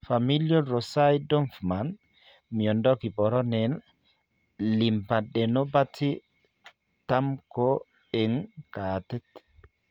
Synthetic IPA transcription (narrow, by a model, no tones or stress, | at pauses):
familjɔɾɔsajdɔmfman | miɔndɔkibɔɾɔnɛn | limpaɗɛnɔbatʰi | tamkɔ | ɛŋkatɛt